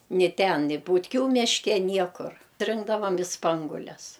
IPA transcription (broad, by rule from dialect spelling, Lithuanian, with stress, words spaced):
nʲɪ tʲɛn nʲɪ bʊtʲˈkʲuː mʲɪʃʲˈkʲɛ ˈnʲiɛkʊr ˈrʲɪŋɡdɐʋɐm ɪ ˈspɐŋɡʊlʲɛs